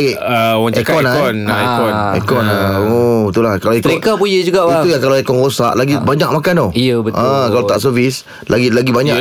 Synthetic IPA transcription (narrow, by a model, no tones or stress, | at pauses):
eəwakɔnaɔnekɔnḛkɔnaobət̪ulahkalaet̪ikabujəd͡ʒuɡaʔiujaŋkalaekɔnɾosaʔlaɡibaɲak̚mãkanojəbətʔãkalat̪aʔsəvis | laɡilaɡibaɲaʔ